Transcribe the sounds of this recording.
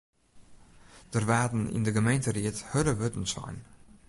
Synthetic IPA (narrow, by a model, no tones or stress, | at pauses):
d̥ərʋaːdn̩ɪ̰ndəɡəmejntəriəthøɾəʋøtn̩sɔ̰jn